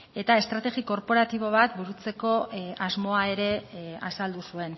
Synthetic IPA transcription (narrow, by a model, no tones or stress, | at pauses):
e̞t̪ae̞st̪ɾat̪e̞ɣiko̞ɾpo̞ɾat̪iβo̞β̞at̪buɾut͡se̞ko̞azmo̞ae̞ɾe̞a̰sald̪usue̞n